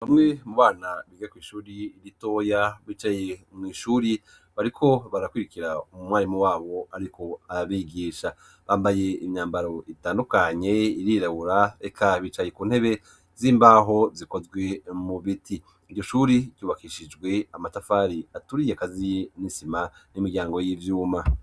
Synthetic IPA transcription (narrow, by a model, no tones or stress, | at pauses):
βamŋe̞muβaːnaβiŋɡakwiːʃuːɾiːɾito̞ːjaβit͡ʃajemŋiːʃuːɾi | βaɾikʰo̞βaɾakwiːɾikiɾaumumwaːɾimuwaːβo̞aɾikʰo̞aaβiɡiːʃa | βaːmbaje̞imɲaːmbaɾo̞ʔitaːndukaɲe̞iɾiːɾaβuɾae̞kʰaβiːt͡ʃaje̞kuːn̥he̞βe̞ | ziːmbaːɦo̞ziko̞zɡwe̞muβitʰiː | ɾɟo̞ʃuːɾicuːβakiʃid͡ʒɡwe̞amatafaːɾiatuɾijekazijnisimanimiɡɟaːŋɡo̞jiːvjuːma